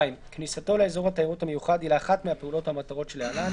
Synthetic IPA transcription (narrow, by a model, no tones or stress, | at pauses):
imknisat̪o̞leezo̞ʁhat̪ajiʁuthamejuχad̪ilaːχat̪mehapeulo̞thamat̪aʁo̞tʃelealan